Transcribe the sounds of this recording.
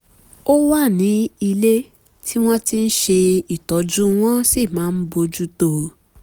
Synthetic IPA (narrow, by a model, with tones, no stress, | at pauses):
o˦wa˦˨nĩ˨˦i˧le˦ | tʰi˦w̃ɔ̃˦ti˦n̩˦ʃe˧i˨tɔ˨˦d͡ʒũ˦w̃ɔ̃˦si˦˨mãː˨˦n̩˦bo˧d͡ʒu˦to˧